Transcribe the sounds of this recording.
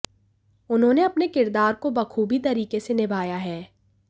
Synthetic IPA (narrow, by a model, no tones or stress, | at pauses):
ʊnɦõneɐpnekɪɾd̪aːɾkobɐkʰuːbit̪ɐɾiːkesenɪbʱaːjaɦɛː